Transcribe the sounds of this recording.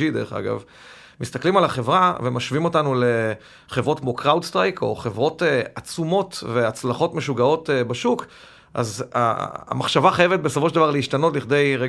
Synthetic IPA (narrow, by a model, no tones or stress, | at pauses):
ideʁeχa̰ɡa̰v | mist̪aklimalaχe̞vʁavemaʃvimo̞tanule̞ | χevʁo̞tkmokʁawdst̪ʁajkʰo̞̰χe̞vʁo̞tat͡sumo̞tve̞at͡slaχo̞tme̞ʃuɡao̞tebaʃuk | ʔa̰za̰maχʃavaχajevet̚be̞sofo̞ʃedavaʁleiʃtano̞tliχd̪e̞jʁe